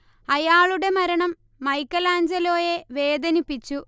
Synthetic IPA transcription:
ɐjaːɭuɽe̞mɐɾɐɳɐmː | ɐjkːɐlaːɲd͡ʑɐlo̞ːjeʋe̞ːd̪ɐnipːit͡ɕːu

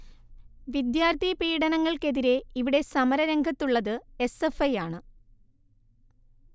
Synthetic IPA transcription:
ʋid̪jaːrt̪ipiːɽɐnɐŋːɐɭke̞ðiɾe̞iʋiɽe̞sɐmɐɾɐɾɐŋɡʱɐt̪ːuɭːɐðɨe̞se̞fɐjaːɳɨ

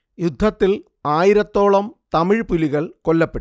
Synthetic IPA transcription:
jud̪ʱːɐt̪ːil | aːjiɾɐt̪ːo̞ːɭɐmt̪ɐmiɻpuliɣɐɭkolːɐpːeʈ

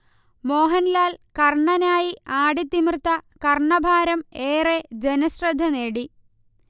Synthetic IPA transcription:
mo̞ːɦɐnlaːlkɐrɳɐnaːjiaːɽit̪ːimrt̪ːɐkɐrɳɐbʱaːɾɐmeːred͡ʑenɐsrɐd̪ʱːɐneːɽi

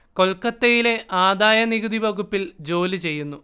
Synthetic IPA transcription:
ko̞lkɐt̪ːejile̞ʔaːd̪aːjɐniɣud̪ʱibʱɐɣupːild͡ʑo̞ːlɨt͡ɕe̞jːunːu

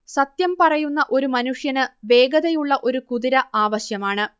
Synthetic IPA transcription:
sɐt̪jɐmpɐrɐjunːɐʔo̞ɾumɐnuʂjɐnɨʋe̞ːɡɐðɐjuɭːɐʔo̞ɾukuðiɾɐaːʋɐɕjɐmaːɳɨ

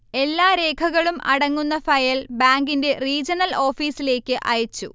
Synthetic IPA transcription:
e̞lːaːɾe̞ːkʰɐɣɐɭumʔɐ̰ɽɐŋːunːɐfɐjɐlbaːŋɡinde̞riːd͡ʑɐnɐlo̞ːfiːsile̞ːkʲːɨʔɐjɐt͡ɕːṵ

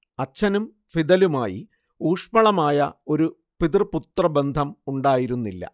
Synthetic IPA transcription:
ɐt͡ɕːɐnum | fiðɐlumaːjḭ | uːʂpɐɭɐmaːjɐ̰o̞ɾu | piðrput̪ːrɐbe̞nd̪ʱɐmuɳɖaːjiɾunːilːɐ̰

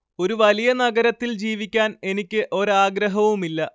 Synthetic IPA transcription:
o̞ɾuʋɐlijɐnɐɡɐɾɐt̪ːild͡ʑiːʋikʲːaːne̞nikʲːɨʔo̞ɾaːɡɾɐɦɐʋumilːɐ

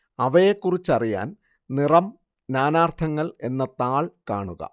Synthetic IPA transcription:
ɐʋɐjekːurit͡ɕːɐrija̰ːn | nirɐm | naːnaːrt̪ʰɐŋːɐɭe̞nːɐt̪aːɭkaːɳuɣɐ̰

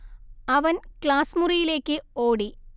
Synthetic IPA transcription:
ɐʋɐnkɭaːsmurijile̞ːkːɨoːɽi

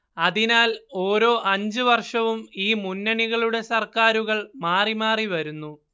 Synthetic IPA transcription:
ɐðinaːlo̞ːɾo̞ːʔɐɲd͡ʑɨʋɐrʂɐʋumiːmunːɐɳiɣɐɭuɽe̞sɐrkaːɾuɣɐɭmaːrimaːriʋɐɾunːu

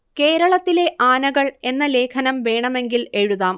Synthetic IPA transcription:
ke̞ːɾɐɭɐt̪ːile̞ʔaːnɐɣɐɭe̞nːɐle̞ːkʰɐnɐmʋe̞ːɳɐme̞ŋɡile̞ɻuðaːm

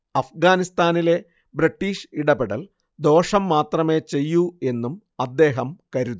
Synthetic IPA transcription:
ɐfɡaːnist̪aːnile̞ | bɾiʈːiːʂiɽɐbeɽɐl | d̪o̞ːʂɐmːaːt̪rɐme̞ːt͡ɕe̞jːue̞nːum | ɐd̪ːe̞ːɦɐmkɐɾuðu

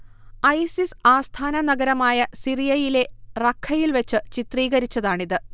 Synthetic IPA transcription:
ɐjsisaːst̪ʰaːnɐnɐɡɐɾɐmaːjɐsirijɐjile̞rɐkʰːɐjilʋet͡ɕːɨt͡ɕit̪riːɣɐɾit͡ɕːɐðaːɳiðɨ

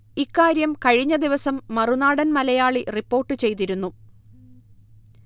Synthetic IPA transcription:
ikːaːɾjɐmkɐɻiɲːɐd̪iʋɐsɐmːɐrunaːɽɐnmɐlɐjaːɭiripːo̞ːrʈːɨt͡ɕe̞jt̪̬iɾunːu

